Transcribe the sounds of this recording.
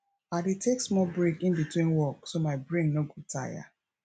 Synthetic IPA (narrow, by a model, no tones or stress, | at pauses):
adetʰeksmɔbɹekĩnbitwĩnwɔksomaɪbɹĩnoɡota̰ja̰